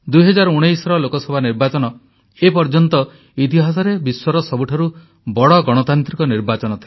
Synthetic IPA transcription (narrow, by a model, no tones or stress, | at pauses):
d̪ujɦɔd͡ʒaɾuɽ̃ejsɔɾɔlokɔsɔbʱaniɾbat͡ʃɔnɔ | epɔɾd͡ʒɔnt̪ɔ | it̪iɦas̬ɔɾebiswɔɾɔsɔbuʈʰaɾu | bɔɽɔɡɔɽ̃ɔt̪ant̪ɾikɔniɾbat͡ʃɔnɔt̪ʰil